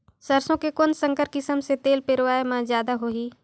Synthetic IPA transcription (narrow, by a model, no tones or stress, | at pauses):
səɾsõkekonsə̃ŋkəɾkɪsəmset̪eːlpeɾʋaːemãzjaːd̪aɦoːɦiː